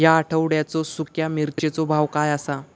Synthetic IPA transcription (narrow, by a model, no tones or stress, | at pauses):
jaːʈʰəʋɽjat͡sɔsukjamiɾt̪et͡sɔbʱaʋkajasa